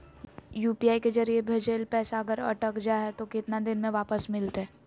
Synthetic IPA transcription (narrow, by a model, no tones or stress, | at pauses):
juːpijaːikezəɾiebʱed͡ʒeːlpɛːsaːɡəɾə̰ʈəkd͡ʒaːɦɛt̪okɪt̪nad̪ɪnmẽʋaːpəsmɪlt̪ɦɛː